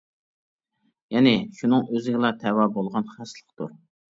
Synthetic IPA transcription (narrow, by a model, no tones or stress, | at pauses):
jɛnɪʃunɨŋøzɪɡʲɪlˠɑt̪ʰɛwɑbolˠʁɑnχæslˠəχt̪ṵɾ